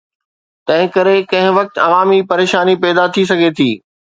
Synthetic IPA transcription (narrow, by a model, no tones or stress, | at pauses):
t̪ɐ̃ɦɪ̃kɐɾekɐ̃ɦɪ̃ʋɐk̚t̪ɐʋaːmipɐɾeːʃaːnipɛːd̪at̪ʰis̬ɐɡʱet̪ʰiː